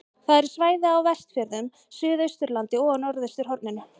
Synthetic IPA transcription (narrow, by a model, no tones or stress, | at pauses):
θaðɛɾ̥svaːjðɪawvɛst̪fjɛɾðʏm | sʏːðœɥst̪ʏɾlant̪ɪɔnɔɾðœɥst̪ʏɾhɔɾt̪nɪnːʏ